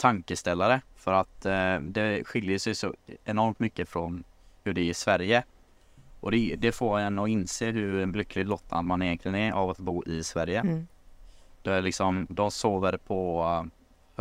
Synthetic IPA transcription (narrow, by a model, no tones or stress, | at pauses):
t̪ʰaŋkəst̪ɛlːaɾəfœɾat̪d̪ɛɧɪljəʂɛjsɔ̰ɛnɔɾmt̪mʏkːəfɾɔnhɵɖɛɪʂvæɾjə | ʔɔd̪ɛd̪ɛfoːɛnɔɪnseːhɵɛnblʏkːlɪɡlɔt̪ʰːa̰nmanɪjɛntlɪɡənɛʔa̰vat̪buːʔɪsvæɾjə | d̪̥lɪksɔmd̪ɔsoːvəɾpʰɔ | h